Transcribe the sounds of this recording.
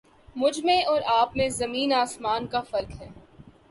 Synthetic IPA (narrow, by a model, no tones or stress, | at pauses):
mʊd͡ʒʱmẽɔːɾaːpmẽzɐmiːnaːsmaːnkafɐɾkɦɛː